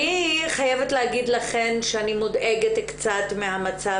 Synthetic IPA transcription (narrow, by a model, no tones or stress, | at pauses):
iχajevet̪leɦaɡid̪laχe̞nʃeanimode̞ɡet̪kt͡sat̪meɦamat͡sa